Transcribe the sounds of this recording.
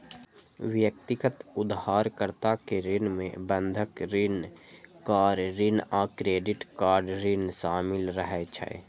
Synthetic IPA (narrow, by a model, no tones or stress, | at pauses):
ʋjək̚t̪ɪɡət̪ʊd̪ɦaːɾkəɾt̪akeɾɪnmẽbə̃nd̪ʱəkɾɪnkaːɾɾinaːkɾeːɖɪʈkaːɾɖɾinʃaːmɪlɾəɦɛt͡ʃʰɛ̰